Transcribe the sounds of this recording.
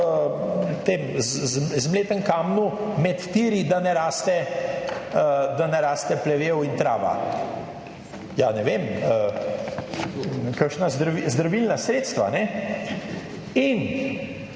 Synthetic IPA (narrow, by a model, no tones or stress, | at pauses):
t̪emzzzmleːt̪əŋkaːmnumɛt̪t̪iːɾid̪anɛɾaːst̪ɛ | d̪anɛɾaːst̪ɛplɛʋeːwint̪ɾaːʋa̰ | janɛʋemə | kakʃnazd̪ɾaizd̪ɾaʋilnasɾeːt̪st̪ʋa̰nɛ | in